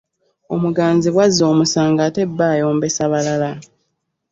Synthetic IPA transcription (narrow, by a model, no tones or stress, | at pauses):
o̞muɡaːnziβwazːo̞ːmusaːŋɡaːte̞bːaːjo̞ːmbe̞saβalala